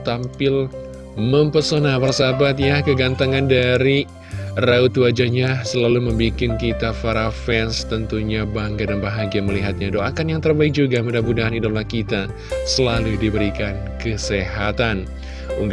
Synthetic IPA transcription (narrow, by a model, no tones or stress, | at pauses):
t̪ampɪl | məmpərsonapərsabat̪̚jakəɡant̪aŋandaɾi | raut̪uad͡ʒaɲasəlaluməmbikɪnkit̪afaɾafɛnst̪ənt̪uɲabaŋɡadanbaɦaɡiaməliɦat̪̚ɲadoʔakanjaŋt̪ərbaɪik̚d͡ʒuɡamudahbudaɦanidolakit̪a | səlaludibəɾikan | kəseɦat̪an | uŋɡ